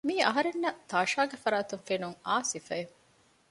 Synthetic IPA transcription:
miːɐɦɐɾenːɐt̪aːʃaːɡefɐɾaːt̪uŋfenuŋaːsifɐe

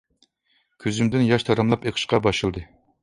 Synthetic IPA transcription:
kʲʰøzymd̪ɪnjɑʃt̪ʰɑɾɑmlˠɑpeqʰə̥ʃqɑbɑʃɨlˠd̪ɨ

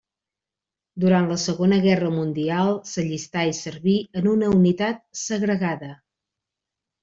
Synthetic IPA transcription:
d̪uɾant̪ləsəɣonəɣɛrəmund̪ialˠsəʎist̪aisəɾβiənunəunit̪at̪̚səɣɾəɣaðə

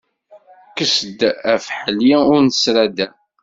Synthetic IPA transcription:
kəsəd̪æfħəljiʊɾnəsɾæd̪æ

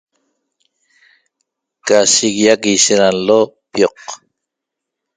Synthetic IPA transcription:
kasiɣijakisenalːo | pjoq

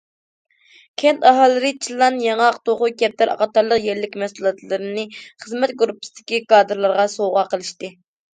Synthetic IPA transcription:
kʲʰɛnt̪ɑɦɑlˠːɨɾɨt͡ʃʰilˠːɑnjɑŋɑqt̪oχʊkʲɛp̚t̪ʰɛɾɑ̰qɑt̪ɑɾlˠəqjɛɾlɪkʲmɛsulˠɑt̪lˠɨɾɨnɨχəzmɛt̪ɡuɾupːɪ̥sɨd̪̥ɪ̥kʲikɑːd̪ɨɾlˠɑɾʁɑsoʁɑqʰəlˠɨʃt̪ɨ

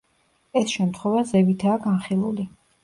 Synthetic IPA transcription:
ɛsʃɛmt̪ʰχwɛvazɛvit̪ʰaːɡanχilˠuli

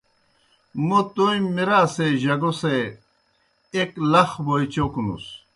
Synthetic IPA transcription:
mot̪ojmiɾaseʑɐɡose | eklɐxbojt͡ɕokunṵs

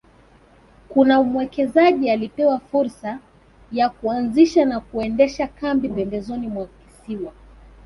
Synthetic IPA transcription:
kunaumwɛkɛzaʄialipɛwafuɾsa | jakuanziʃanakuɛndɛʃakambipɛmbɛzɔnimwaki̥siwa

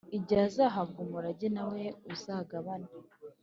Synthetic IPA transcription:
iɟaːzaɦabɡumuɾaɟenaweuzaːɡaβani

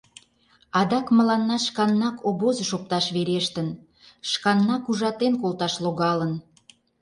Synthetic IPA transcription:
ɑd̪ɑkmə̆lɑnːɑʃkɑnːɑkobozəʃop̚t̪ɑʃβeɾeʃt̪ən | ʃkɑnːɑkuʒɑt̪enkolˠt̪ɑʃloɣɑlən

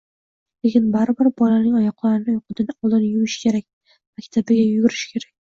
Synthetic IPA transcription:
lekʲɪnbaɾɪbɪɾbɒlanɪŋɒjɒqlˠaɾɪnɪjoqʰʊd̪ɪnɪɒlˠd̪ɪnjʊmɪʃkʲʰe̞ɾakʲ | makʲt̪ʰabɪɡʲajʊɡʲʊɾɪʃkʲʰe̞ɾak̚ʲ

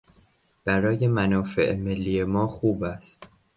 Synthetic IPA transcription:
b̥æɾɒːje̞mænɒːfe̞̰ʔme̞lːiːje̞mɒːxuːbæst̪

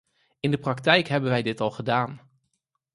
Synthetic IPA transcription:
ɪndəprɑk̚tɛjkɦɛbənʋɛjdɪtɑlˠχədaːn

